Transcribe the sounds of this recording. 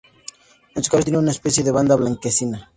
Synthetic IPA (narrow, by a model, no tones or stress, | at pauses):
nent̪so̥kasot̪ieneunaespɛsjeðeβand̪aβlaŋkesina